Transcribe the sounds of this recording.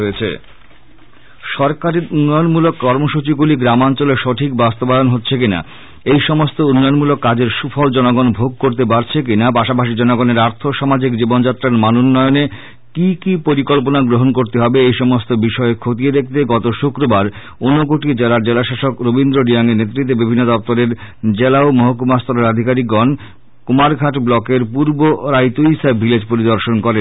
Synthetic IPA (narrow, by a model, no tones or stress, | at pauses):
oet͡ɕʰḛ | ʃɔɾkaɾeɾunːɔjonmulokːɔɾmoʃut͡ɕiɡuliɡɾamant͡ɕoleʃɔʈʰikbast̪obaonɦotːɕʰek̬ina̰ | ejʃɔmost̪ounːɔjonmulokːad͡ʑeɾʃufʰɔld͡ʑɔnoɡonbʱoɡ̚koɾt̪epaɾt͡ɕʰek̬inapaʃapaʃid͡ʑɔnoɡoneɾaɾt̪ʰoʃamad͡ʑikd͡ʑibond͡ʑat̪ːɾaɾmanunːɔeone | kikipoɾikɔlponaɡɾoɦonkoɾt̪eɦɔbeejʃɔmost̪obiʃɔekʰot̪ied̪ek̚ʰt̪eɡɔt̪oʃukɾobaɾ | onːok̬oʈid͡ʑelaɾd͡ʑelaʃaʃokɾobind̪ɾoɖijaŋenet̪ːɾit̪ːebibʱinːod̪ɔp̚t̪oɾeɾd͡ʑelaomoɦok̬umaɾst̪oɾeɾad̪ʱikaɾikːɔn | kumaɾɡʱaʈblɔkeɾpuɾboɾajt̪uisabʱːiled͡ʑpoɾid̪oɾʃonkɔɾen